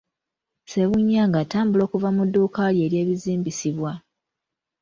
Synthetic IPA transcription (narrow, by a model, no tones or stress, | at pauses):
se̞βuɲːaːŋɡaːtaːmbulo̞ːkuvamudːuːkalje̞ːɾje̞ːβiziːmbisiβwa